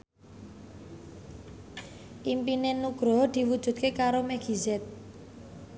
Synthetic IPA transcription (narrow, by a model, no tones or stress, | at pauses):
ʔimpinenuɡ̥ɾɔ̤d̪̥i̤wud̥ʒ̥ṳt̪̚kekaɾomɛɡ̥i̤zɛt̪̚